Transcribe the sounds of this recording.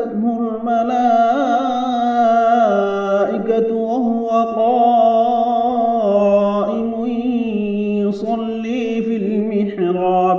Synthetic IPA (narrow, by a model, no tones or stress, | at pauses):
t̪hʊɾʊlmalaː | ʔɪkat | waɦʊwaqɑː | ʔɪmʊ | ʊsˤɑlːiːfilmɪħɾaː